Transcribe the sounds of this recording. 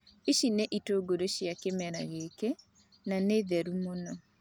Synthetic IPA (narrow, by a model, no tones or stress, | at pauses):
iʃineʔitoɡoɾoʃjakemɛɾaɣeke | naneðɛɾumonɔ